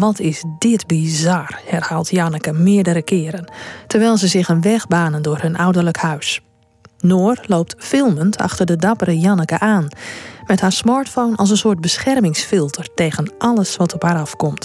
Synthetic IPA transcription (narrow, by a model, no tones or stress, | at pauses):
ʋɔtʰɪzdɪtbizɑrhɛrhaːlˠtjɑnəkəmɪədəɾəkʰɪəɾəntəɹʋɛjlˠzəzɪxənʋɛxbaːnəndʊːrhɵnʔawdərləkhœɥs | noːrloːp̚tfɪlˠməntʰɑ̰xtərdədɑpəɾəjɑnəkəʔaːnmɛthaːɹsmaɹtfonʔɑ̰lˠs̬ənsoːɹt̚bəsxɛrmɪŋsfɪlˠtʰərteːɣənʔɑlˠəsʋɔtɔphaːɾɑfkɔmt